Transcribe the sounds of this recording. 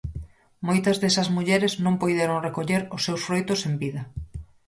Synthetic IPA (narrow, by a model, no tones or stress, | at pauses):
mojt̪ɐzðesɐzmuʎeɾɪznõmpojðeɾoŋrekoʎeɾʊsːewsfɾojt̪ʊsembiðɐ